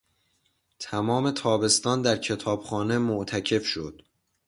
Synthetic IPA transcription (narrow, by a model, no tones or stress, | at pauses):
t̪ʰæmɒːme̞t̪ʰɒːbe̞st̪ɒːnd̪æɾcʰe̞t̪ʰɒːb̥xɒːne̞moʔt̪ʰæcʰe̞fʃod̪̥